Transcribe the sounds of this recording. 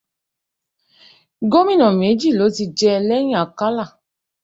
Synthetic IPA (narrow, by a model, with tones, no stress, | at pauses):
ɡo˦mĩ˦˨nɔ̃˨m˨e˨˦d͡ʒi˦˨lo˨˦ti˧d͡ʒɛ˧lɛ˦ɲ˦a˨ka˦la˦˨